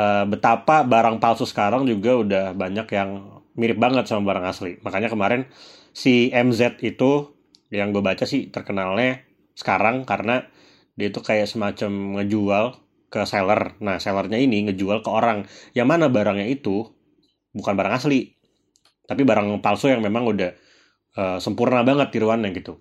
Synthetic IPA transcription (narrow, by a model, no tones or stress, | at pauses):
əbət̪apabaɾaŋpalsosə̥kaɾaŋd͡ʒuɡaudahbaɲakjaŋ | miɾɪp̚baŋət̪̚samabaɾaŋaslimakaɲakəmaɾɪn | siɛmzɛt̪̚it̪u | jaŋɡuabat͡ʃasɪht̪ərkənalɲa | sə̥kaɾaŋkaɾəna | diait̪ukajaʔsəmat͡ʃamŋəd͡ʒual | kəselərnahselərɲainiŋəd͡ʒualkəoɾaŋjaŋmanabaɾaŋɲait̪u | bukanbaɾaŋasli | t̪apibaɾaŋpalsojaŋmemaŋudah | əsəmpurnabaŋət̪̚diɾuanɲaɡit̪u